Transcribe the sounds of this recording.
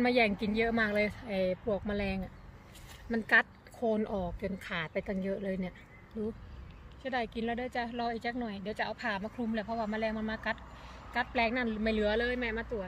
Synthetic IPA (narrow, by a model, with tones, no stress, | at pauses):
nmaː˧jɛː˧˩ŋki˨˩njɤ˦˥ʔmaː˧˩k̚lɤː˧jʔa˨˩jpʰu˧˩ək̚maː˧lɛː˧ŋʔa˨˩ | ma˧˥˨nka˦˥t̪̚kʰoː˧nʔɔː˨˩k̚t͡ɕo˨˩nkʰaː˨˩t̪̚pa˧jt̪a˧˩ŋjɤ˦˥ʔlɤː˧jni˧˩ɐʔ | duː˧˥sa˧˥˩daː˧˩jki˧nlɛː˧˩˧daː˧˦wt͡ɕa˧ʔlɔː˧ʔiː˨˩k̚t͡ɕaː˧˥k̚nɔ˨˩jdi˧˦wt͡ɕa˨˧ʔa˧wpʰaː˨˩maː˧kʰlu˧˨mlaː˧˩pʰɔ˧waː˧˩maː˧lɛː˧ŋma˧nmaː˧ka˧˦˥t̪̚ | ka˧˦˥t̪̚plɛː˧ŋna˧˩nma˧˩jlɯ˨˩˦ɐlɤː˧˨jma˧˩maː˧t̪u˨˩ət̪̚